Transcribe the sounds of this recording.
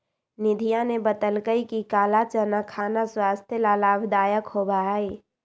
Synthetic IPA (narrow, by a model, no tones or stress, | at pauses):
nɪd̪ʱijanebət̪əlkəikikaːlat͡ʃənakʰaːnaswaːst̪ʰjelalaːbʱd̪aːjəkhobai